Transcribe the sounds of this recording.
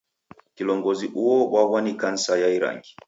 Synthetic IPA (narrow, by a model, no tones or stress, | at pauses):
kilɔŋɡɔziʔuɔwawanikan̩sajaiɾa̰ŋɡi